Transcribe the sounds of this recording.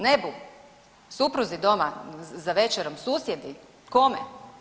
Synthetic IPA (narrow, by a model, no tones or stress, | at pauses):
ne̞bu | supɾuzid̪o̞mazaʋe̞t͡ʃeɾomsuːsjed̪i | ko̞mḛ